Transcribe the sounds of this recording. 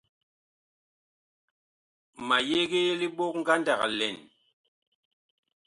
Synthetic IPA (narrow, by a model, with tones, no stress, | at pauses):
ma˨je˦ɡe˦je˦li˦ɓo˦k̚ŋ̩˦ɡa˦nda˨ka̰˨lɛ̰˨n